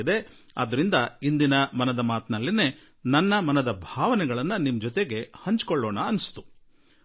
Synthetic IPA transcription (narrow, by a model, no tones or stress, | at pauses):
id̪e̞ | ɐ̰d̪ɐɾind̪ɐind̪inɐmɐnɐd̪ɐmaːt̪nɐlːine̞ː | nɐnːɐmɐnɐd̪ɐbʱaːʋɐnɛɡɐɭɐnːɐnimd͡ʒɔt̪eɡe̞hɐɲt͡ʃkɔɭːɔːɳɐɐnst̪u̥